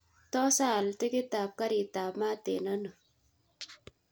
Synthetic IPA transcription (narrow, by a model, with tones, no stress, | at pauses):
tɔ˦sa˦˨ltɪ˦kɪ˦ta˨b̚ka˦ɾi˨ta˨bma˦tḛ˨na˦nə˨